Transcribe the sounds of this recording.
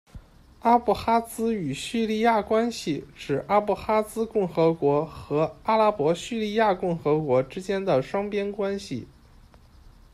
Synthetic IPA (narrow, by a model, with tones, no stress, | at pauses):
a˥pu˥˩xa˥t͡sɹ̩˥y˨˩ɕy˥˧li˥˧ja˥˩kwa˥nɕi˨˩ʈ͡ʂɻ̩˨˩ʔa˥pu˥˩xa˥t͡sɹ̩˥kʊ˥˩ŋxɤ˧˥kwɔ˧˥xɤ˧˥a˥la˥pwɔ˧˥ɕy˥˧li˥˧ja˥˧kʊ˥˩ŋxɤ˧˥kwɔ˧˥ʈ͡ʂɻ̩˥t͡ɕjɛ˥nd̪ə˨ʂwɑ˥ŋpjɛ˥nkwa˥nɕḭ˨˩